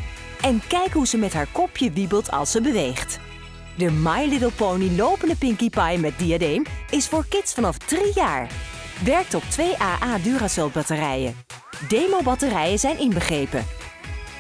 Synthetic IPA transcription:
ɛnkɛjkɦuzəmɛtɦaːɹkɔpjəʋibəlˠtʰɑ̰lˠsəbəʋejχt | dəmajlɪtəlˠpownilowpəndəpɪŋkipɑjmɛt̚diadejmɪsfʊːɹkɪtsfɑnɑfdrijaːɹ | ʋɛɹk̚tɔp̚tʋejʔaːʔaːdyːrasɛl̚ˠbɑtərɛjə̰ | dejmobɑtərɛjəzɛjnʔɪnbəχrejpə̰

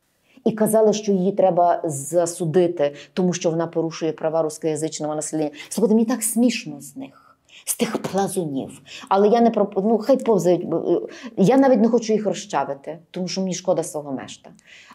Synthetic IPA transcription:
ikɐzɑlˠɪʃt͡ʃɔjijit̪ɾɛbɐzɐsʊd̪ɪt̪ɪt̪ɔmuʃt͡ʃɔʋɔnɑpɔɾuʃʊjɛpɾɐʋɑɾusʲkɔjɐzɪt͡ʃnɔʋɔnɐsɛlʲɛnʲːɐsˠɔkɔd̪ɪmnʲit̪ɑksmʲiʃnɔznɪx | st̪ɪxplˠɐzɔnʲḭwɐlˠɛjanɛpɾɔpnuxɑjpɔwzɐjʊtʲ | janɑʋʲitʲnɛxɔt͡ʃʊjixrɔʃt͡ʃɑʋɪt̪ɪt̪ɔmuʃt͡ʃɔmenʲiʃkɔd̪ɐsʋɔɦɔmɛ̰ʃt̪ɐ

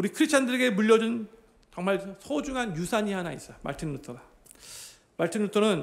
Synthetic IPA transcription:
uɾikʰɯɾist͡ɕʰandɯɾeɡe̞muʎːʌd͡ʑun | t͡ɕʌŋmaɭsʰod͡ʑuŋɦanjusʰaɲiɦanais͈ʌma̰ɭtʰinːutʰʌda | maɭtʰinːutʰʌnɯn

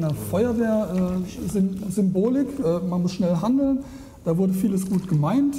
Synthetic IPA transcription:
nɐfɔʏɐveːɐʔɛːzʏmzʏmboːlɪkʔɛːmanmʊsʃnɛlɦandl̩n | d̥aːvʊɐdəfiːləsɡ̥uːtɡ̥əmaɪnt

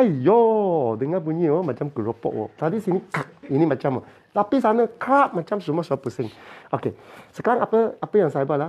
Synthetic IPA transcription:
ajɔdəŋabuɲĩɔmãt͡ʃamkəɾopɔ̰ʔ̚wɔ̰t̪adisinikak̚inĩmãt͡ʃamɔ | t̪apis̬anəkɾaʔ̚mãt͡ʃamsumasuapəsɪŋokesəkaɾaŋapəapəjaŋsajbala

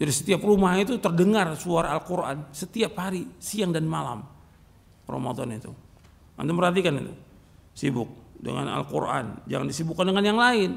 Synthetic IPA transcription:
d͡ʒadisə̥t̪iaprumahit̪ut̪ərdəŋarsuaɾaalkuɾʔa̰nsət̪iaphaɾisiaŋdanmala̰m | ro̰ma̰d̪ɔnit̪u | a̰nt̪umərɦat̪̬ikanit̪u | sibʊk̚də̰ŋa̰na̰lkṵrʔa̰nd͡ʒa̰ŋandisibukːandəŋanjaŋlaɪn

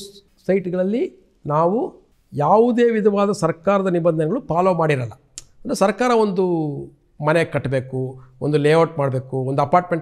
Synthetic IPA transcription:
sɐjʈɡɐɭɐlːi | naːʋu | jaːʋud̪eːʋid̪ʱɐʋaːd̪ɐsɐɾkaːɾɐd̪ɐnibɐnd̪ʱɐnɛɡɐɭupaːloːmaːɽiɾɐlːɐ | ɐnd̪ɾusɐɾkaːɾɐo̞nd̪u | mɐnekɐʈːbe̞ːkuond̪uleːʋoʈ̚maːɽbe̞ːkuond̪uɐpaːɾʈmeɳʈ

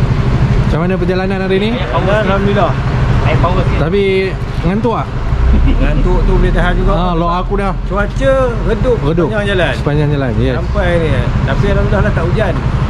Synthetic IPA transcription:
mmat͡ʃamanap̬əd͡ʒalananaɾini | aaɾamilɔh | ipawət̪api | ŋant̪uaʔ | ŋant̪uʔt̪ubəlet̪aɦat̪̚d͡ʒuɡaalɔʔakudaht͡ʃuat͡ʃərədʊkrədʊkɲd͡ʒaŋd͡ʒalansəpaɲd͡ʒaŋd͡ʒalanjaampajnit̪apiɾamilɔhlaht̪aʔud͡ʒan

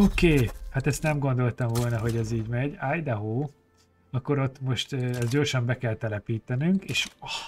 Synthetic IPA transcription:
okeːhat̪ɛst̪nɛmɡo̞nd̪o̞lt̪ɒɱvoːlnɒɦo̞ɟɛziːɟmɛɟaːjd̪ɛɦoː | ɒkːo̞ɾo̞t̪ːmo̞ʃt̪øɛzɟo̞ːrʃɒmbɛkɛlt̪ɛlɛpiːt̪ɛnyŋkeːʃ

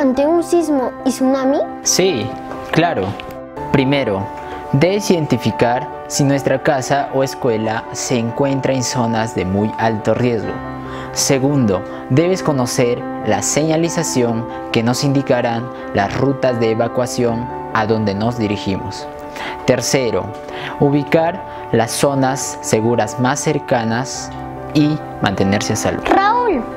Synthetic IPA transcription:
ant̪eunsizmoisunami | si | klaɾo̞ | pɾime̞ɾo̞ | d̪e̞βesiðe̞nt̪ifikaɾ | sinwe̞st̪ɾakasaʔoe̞skwe̞lase̞ːŋkwe̞nt̪ɾae̞nso̞nazðe̞mujalt̪o̞rje̞zɣo̞̰ | se̞ɣund̪o̞ | d̪e̞βesko̞no̞se̞ɾ | lase̞ɲalisasjo̞ŋ | ke̞no̞sind̪ikaɾan | lasrut̪azðeːβakwasjo̞ŋ | aðo̞nd̪e̞no̞zðiɾiximos | t̪e̞ɾse̞ɾo̞̰ | uβikaɾ | laso̞nasːe̞ɣuɾazmasːe̞ɾkanas | i | mãnt̪e̞ne̞ɾseasa̰lṵaul

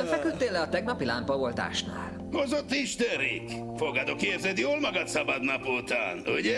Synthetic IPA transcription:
fɛkyt̪ːeːlːɛɒt̪ɛɡnɒpilampɒvo̞lt̪a̰ːʃna̰ːl | hozot̪ːiʃt̪ɛɾḭk | foɡɒd̪okeːrzɛd̪joːlmɒɡɒt̪sɒbɒd̪nɒput̪a̰ːnuɟɛ

